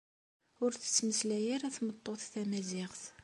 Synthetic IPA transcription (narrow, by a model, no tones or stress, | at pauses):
ʊɾθə̥t͡sːməslæjəɾæθmət̪ˤːoθθæmæzɪʁθ